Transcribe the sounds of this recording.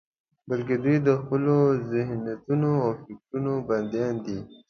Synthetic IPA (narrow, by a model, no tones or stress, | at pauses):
balk̬ed̪ujd̪əxpəlozɪhnat̪unoawfɪk̚ʈunoband̪jɑnd̪i